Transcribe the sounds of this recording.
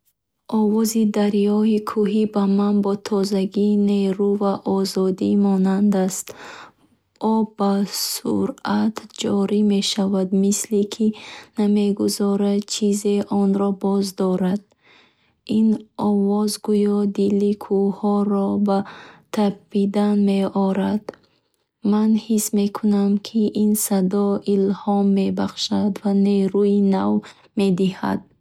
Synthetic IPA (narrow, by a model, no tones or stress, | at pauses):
ʔɔvɔzid̪aɾjɔhikʰuɦibamanbɔt̪ʰɔzaɡineɾuvaʔɔzɔd̪imɔnand̪ast̪ | ɔbasṵɾat̪ʰd͡ʒɔɾime̞ʃavad̪mislikʰiname̞ɡuzɔɾad̪t͡ʃʰizeʔɔnɾɔbɔzd̪ɔɾad̪ | inɔvɔzɡujɔd̪ilikʰuhɔɾɔbat̪ʰabbid̪anmeɔɾad̪̥ | manhisme̞kʰunamkʰiʔinsad̪ɔilhɔmːe̞baχʃad̪vaneɾuinav | me̞d̪iha̰d̪̥̚